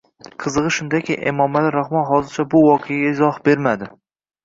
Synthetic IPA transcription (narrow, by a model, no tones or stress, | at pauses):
qʰɨzɨʁɨʃʊnd̪akʲʰɪʔḛmɒmalɪɾahmɒnɦɒzɪɾt͡ʃʰabʊwɒqʰejaɡʲaɪzɒhbe̞ɾmad̪ɪ